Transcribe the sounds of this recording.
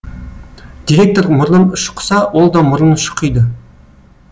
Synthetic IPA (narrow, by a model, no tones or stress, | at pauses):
d̪̥ʲiɾʲe̞k̚t̪oɾmʊɾlˠəmʃə̥qʰə̥sɑwolˠd̪ɑmʊɾənʃə̥qʰəjd̪ə